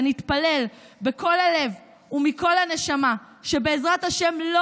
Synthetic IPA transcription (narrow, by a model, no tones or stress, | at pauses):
nit̪pale̞l | beko̞lale̞v | umiko̞lhane̞ʃama | ʃe̞be̞ːzʁathaʃe̞mlo